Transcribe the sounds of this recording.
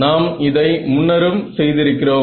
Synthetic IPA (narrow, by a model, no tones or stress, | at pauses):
naːmɪðɐɪmʊnːɐɾɯmsɛjðɪɾɯkːɪroː